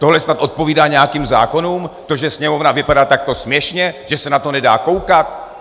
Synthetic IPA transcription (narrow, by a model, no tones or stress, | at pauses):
t̪o̞ɦlɛsnat̪ʔo̞t̪̚po̞viːdaːɲɛjakiːmza̰ːko̞nuːmt̪o̞ʒɛsɲɛmo̞vnavɪpadaːt̪ak̚t̪o̞smjɛʃɲɛʒ̥ɛsɛnat̪o̞nɛda̰ːko̞wkat̪